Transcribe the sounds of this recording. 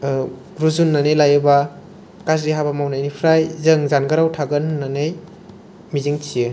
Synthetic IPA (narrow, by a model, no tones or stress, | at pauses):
ɾuzunːanejlajɯba | kas̬ɾiɦabamawnajnipʰɾajzɯŋzanɡaɾawtʰaɡɯnːanej | miziŋt͡ʃʰijɯ